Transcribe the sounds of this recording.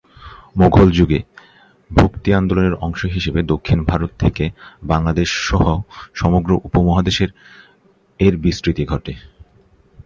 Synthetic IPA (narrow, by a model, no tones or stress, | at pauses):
moɡʱold͡ʑuɡe | bʱokt̪iand̪oloneɾɔŋʃoɦiʃebed̪okʰːinbʱaɾot̪tʰekebaŋlad̪eʃːɔɦoʃɔmoɡɾoʔupomɔɦad̪eʃeɾ | eɾbisɾit̪iɡʱɔʈe